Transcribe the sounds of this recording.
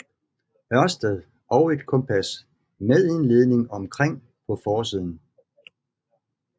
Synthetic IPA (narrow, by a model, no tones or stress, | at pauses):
ɶɐsd̥əðˠ | ʔɒ̽ʊe̝d̥kʰɒ̽mpʰæs | meðˠenle̝ːð̞ˠne̝ŋɒ̽mkʰʁeŋ̰ | pʰɒ̽fɒːs̬iðˠn̩